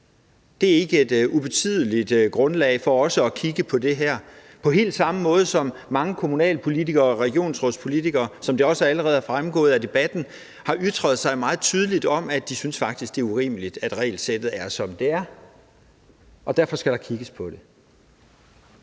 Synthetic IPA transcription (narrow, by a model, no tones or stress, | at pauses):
d̥e̝æɐe̝ɡ̥əe̝d̥ub̥e̝t͡sʰy̰ð̞̰ˠəlid̥ɡ̥ʁɔ̽nlɛ̰ɪfɒ̽ɒ̽səɒ̽kʰiɡ̥əpʰɒ̽d̥e̝ɦæɐ̰ | pʰɒ̽ɦe̝̰ːld̥sɑ̈məmɔ̽ːð̞ˠəsɒ̽mːɑ̈ŋəkʰo̝munɛ̰ːlpʰo̝lit͡sʰiɡ̥ɐːɒʁɛɡ̥jo̝̰ːnsʁɔspʰo̝lit͡sʰiɡ̥ɐːsɒ̽md̥e̝ɒ̽səæləʁɛːð̞̩ˠæɐfʁamɡ̥ɔ̰ːð̩ˠæd̥e̝b̥æd̥n̩ | hɑ̈ʔyd̥ʁɐð̞̩ˠsɑ̈ɪmɑ̈ːð̩ˠt͡sʰyːð̞ˠəlid̥ɒ̽mæd̥isynsfɑ̈ɡ̥̚d̥isɡ̥d̥e̝ːɐuʁḭːməlid̥æd̥ʁɛ̰ːɪlsed̥ð̞̩ˠæɐsɒ̽md̥e̝æɐ | ɒ̽d̥æɐfɒ̽sɡ̥æɾ̥ɑ̈kʰiɡ̥əspʰɒ̽d̥e̝